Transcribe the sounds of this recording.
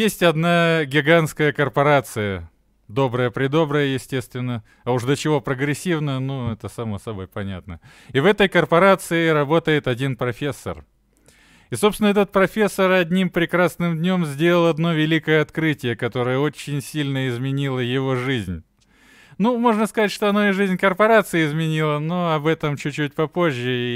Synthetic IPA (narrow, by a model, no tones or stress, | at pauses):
jesʲtʲɐd̪naɡʲɪɡanskəjəkərpɐɾat̪sɨjə | d̪o̞bɾəjəpɾʲɪd̪o̞bɾəjəjɪsʲtʲe̞st̪vʲɪnːə | ɐuʂd̪ət͡ɕɪvo̞pɾəɡɾʲɪsʲːivnəjənuɛt̪əsɐmosɐbo̞jpɐnʲa̰t̪nə | ɪvɛt̪əjkərpɐɾat̪sɨɪɾɐbo̞t̪əjɪt̪ɐdʲinpɾɐfʲe̞sːə̰r | ɪso̞pst̪ʲɪnəɛt̪ət̪̚pɾɐfʲe̞sːəɾɐdʲnʲimpɾʲɪkɾasnɨmdʲnʲo̞mzʲdʲe̞lˠəlˠɐd̪no̞vʲɪlʲikəjəɐt̪kɾɨtʲɪjəkɐt̪o̞ɾəjəot͡ɕːɪnʲsʲilʲnəɪzmʲɪnʲilˠəjɪvo̞ʐɨzʲnʲ | numo̞ʐnəskɐzatʲʂt̪oɐnoɪʐɨzʲnʲkərpɐɾat̪sɨjɪɪzmʲɪnʲilˠənoɐbɛt̪əmt͡ɕʉːʉt̚ʲpɐpo̞ʑʲːɪi